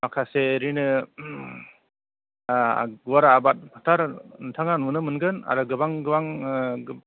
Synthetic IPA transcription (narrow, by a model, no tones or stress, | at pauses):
makʰaseɾinɯ | ɡuwaɾaːbat̚pʰatʰaɾntʰaŋanmunɯmɯnɡɯna̰ɾɯɡɯbaŋɡɯbaŋ